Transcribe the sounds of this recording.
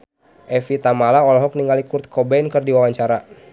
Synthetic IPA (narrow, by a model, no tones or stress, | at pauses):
ʔɛfit̪amalaɔlɔɦɔk̚niŋɡalikurt̪̚kʰɔbɛnkɨrdiwawaɲt͡ʃaɾa